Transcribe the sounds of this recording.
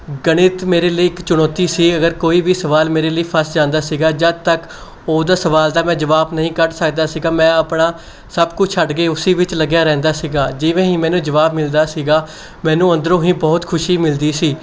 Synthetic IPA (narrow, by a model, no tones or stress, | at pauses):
ɡəɽ̃ɪt̪meːɾeːləiːɪkt͡ʃʊɽ̃ɔːt̪iːsiːəɡəɾkoːiːʋiːsəʋaːlmeːɾeːləiːpʰəɾsd͡ʒãːnd̪aːsiːɡaːd͡ʒəd̪̚t̪ək | oːd̪aːsəʋaːld̪aːmɛ̃ːd͡ʒəʋaːbnəɦĩːkəʈsəkd̪aːsiːɡaːmɛ̃ːəpɳaː | səbkʊt͡ʃʰt͡ʃʰəɖɡeːʊsiːʋɪt͡ʃləɡjaːɾɛ̃ːnd̪aːsiːɡaːd͡ʒɪʋẽːɦĩːmɛ̃ːnũːd͡ʒəʋaːbmɪld̪aːsiːɡaː | mɛ̃ːnũːə̃nd̪əɾõːɦĩːbɔːt̪kʰʊʃiːmɪld̪iːsiː